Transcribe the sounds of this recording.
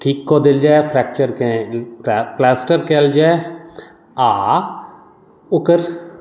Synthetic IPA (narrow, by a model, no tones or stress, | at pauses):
ʈʰiːkːod̪ɪld͡ʒaːefʰɾɛːk̚t͡ʃəɾkẽ | plaːsʈəɾkeld͡ʒaːe | aː | ʊkəɾ